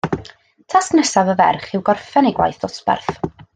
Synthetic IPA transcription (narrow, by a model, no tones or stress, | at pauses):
tʰasknɛsavəvɛ̰rχɪwɡɔrfɛnejɡwa̰jθd̥ɔsb̥ɛ̰rθ